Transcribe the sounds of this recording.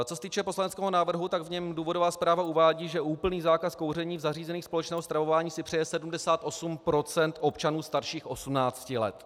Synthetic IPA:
t͡sosɛt̪iːt͡ʃɛpo̞slanɛt͡skɛːɦonaːvr̩ɦut̪aɡvɲɛmduːvo̞do̞vaːspɾaːvauvaːɟiːʒɛʔuːpl̩niːzaːkasko̞wrɛɲiːvzariːzɛniːxspolɛt͡ʃnɛːɦost̪ɾavo̞vaːɲiːsɪpr̥ɛjɛsɛdumdɛsaːt̪ʔo̞sumpɾo̞t͡sɛnt̪ʔo̞pt͡ʃanuːst̪aɾʃiːxʔo̞sumnaːt͡scɪlɛ̰t̪

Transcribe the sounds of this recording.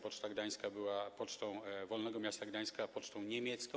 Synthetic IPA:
pɔt͡ʂt̪aɡd̪aj̃skabɘwapɔt͡ʂt̪ɔ̃w̃vɔlnɛɡɔmʲjast̪aɡd̪aj̃skapɔt͡ʂt̪ɔ̃w̃ɲemʲjɛt̪skɔ̃

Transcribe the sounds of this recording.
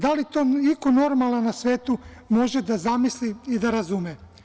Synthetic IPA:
d̪alit̪o̞ːikono̞ɾmalnanasʋeːt̪umo̞ʒed̪azamisliid̪aɾazume

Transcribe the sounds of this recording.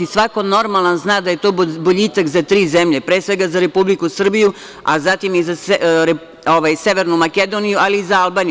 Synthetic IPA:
isʋakono̞ɾmalˠanznaːd̪ajet̪o̞ːboʎiːt̪akzat̪ɾiːzemʎepɾeːsʋe̞ɡazaɾe̞publikusr̩biju | a̰zat̪imizaɾe | oʋajse̞ʋeɾnumaked̪o̞ːnijualiːzaalˠbaːni

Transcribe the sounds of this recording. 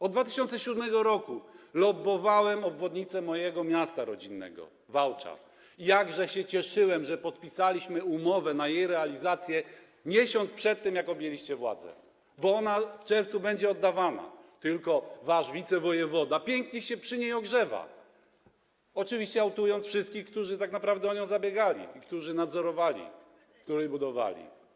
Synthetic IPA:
ɔd̪d̪vat̪ɘɕɔnt̪sɛɕud̪mɛɡɔɾɔkulɔbɔvawɛmɔbvɔd̪ɲit̪sɛmɔjɛɡɔmʲjast̪aɾɔd͡ʑinːɛ̰ɡɔ̰ | vawt͡ʂa̰f | ijaɡʐɛɕɛt͡ɕɛʂɘwɛmʐɛpɔt̪̚pʲisalʲiɕmɘumɔvɛnajejɾɛalʲizat̪sʲjɛ | ɲɛɕɔnt̪spʂɛt̪ːɛmjakɔbʲjɛlʲiɕt͡ɕɛvwa̰d̪zɛ̰ | bɔɔnaft͡ʂɛɾft̪subɛɲd͡ʑɛɔd̪ːavana̰t̪ɘlkɔvaʂvʲit̪sɛvɔjɛvɔd̪apʲjɛŋkɲeɕɛpʂɘɲejɔɡʐɛva̰ | ɔt͡ʂɘvʲiɕt͡ɕɛawt̪ujɔnt̪sfʂɘst̪kʲixkt̪uʐɘt̪aknapɾavd̪ɛɔɲɔ̃w̃zabʲjɛɡalʲḭikt̪uʐɘnad̪zɔɾɔvalʲḭ | k̚t̪uɾɛjbud̪ɔva̰lʲḭ

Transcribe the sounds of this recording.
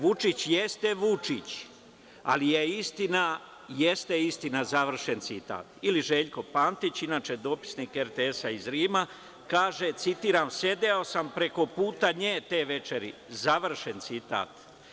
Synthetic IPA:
ʋut͡ʃit͡ɕje̞st̪eʋut͡ʂit͡ɕ | a̰lijeist̪ina | je̞st̪eist̪inazaʋr̩ʃe̞nt̪sit̪a̰ːt̪iliʒe̞ːʎko̞paːnt̪it͡ɕinaːt͡ʃed̪o̞pi̥sniːkeɾt̪eesaizɾiːma | kaːʒe̞t̪sit̪iːɾaːmse̞d̪eo̞sampɾe̞ko̞puːt̪aɲeːt̪e̞ːʋe̞t͡ʃe̞ɾizaʋr̩ʃe̞nt̪sit̪a̰ːt̪

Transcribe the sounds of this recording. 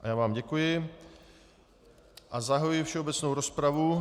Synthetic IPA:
ʔajaːvaːmɟɛkujɪ | ʔazaɦaujɪfʃɛobɛt͡snowɾospɾavu

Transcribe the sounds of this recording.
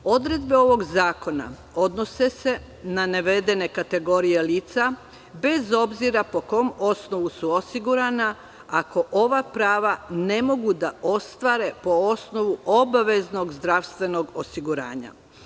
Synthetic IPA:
o̞d̪ɾe̞d̪be̞o̞ʋo̞ɡzaːko̞na̰ | o̞d̪no̞se̞se̞ | naneʋe̞d̪e̞ne̞kat̪e̞ɡo̞ɾije̞liːt̪sa | be̞zo̞bziɾapo̞ko̞mo̞sno̞ʋusuo̞siɡuɾana | ako̞ʔo̞ʋapɾaːʋane̞mo̞ɡud̪aʔo̞st̪ʋaɾe̞po̞osno̞ʋuʔo̞baʋe̞zno̞ɡzd̪ɾaʋst̪ʋe̞no̞ɡo̞siɡuɾa̰ːɲa̰

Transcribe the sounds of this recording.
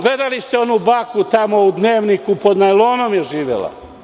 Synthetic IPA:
ɡle̞d̪alist̪eo̞nubakut̪amo̞ud̪neːʋnikupo̞d̪najlˠoːnomjeʒiːʋḛlˠa̰

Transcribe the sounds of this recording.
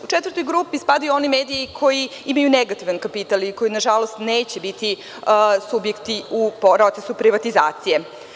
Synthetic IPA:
ut͡ʃet̪ʋəɾt̪o̞jɡɾuːpispad̪ajuo̞nimeːd̪iikʰo̞jiimajuneɡat̪iʋankapit̪aliko̞jinaʒalo̞st̪neːt͡ɕebit̪i | subjekt̪iupɾo̞t̪sesupɾiʋat̪izaːt̪sije̞

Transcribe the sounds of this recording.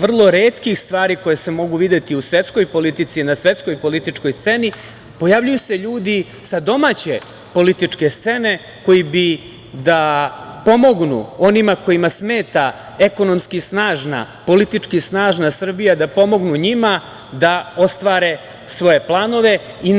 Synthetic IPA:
ʋr̩lˠo̞ɾeːt̪kixst̪ʋaːɾiko̞jese̞mo̞ɡuʋid̪et̪iusʋet̪sko̞jpo̞lit̪it̪sinasʋe̞t̪sko̞jpo̞lit̪it͡ʂko̞jst̪se̞ni | po̞javʎujuse̞ʎuːd̪i | sad̪o̞maːt͡ɕe̞ | po̞lit̪it͡ʂke̞st̪se̞ne̞ | ko̞jibi | d̪apo̞mo̞ɡnṵo̞nimako̞imasme̞ːt̪a | eko̞nomskisnaːʒna̰po̞lit̪it͡ʂkisnaːʒnasr̩bijad̪apo̞mo̞ɡnuɲima | d̪ao̞st̪ʋaːɾe̞ | sʋo̞je̞plˠaːno̞ʋe̞ | i

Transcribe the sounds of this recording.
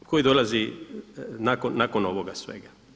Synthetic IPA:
kʰojid̪o̞lazi | nakonːakono̞ʋoɡasʋḛɡa

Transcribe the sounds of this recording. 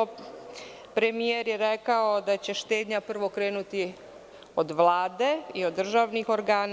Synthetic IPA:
o | pɾe̞mijeɾjeɾekao̞d̪at͡ɕe̞ʃt̪e̞ːd̪ɲapr̩ʋo̞kɾe̞ːnut̪i | od̪ʋlaːd̪e̞io̞d̪ːr̩ʒaʋnixo̞ɾɡaːn

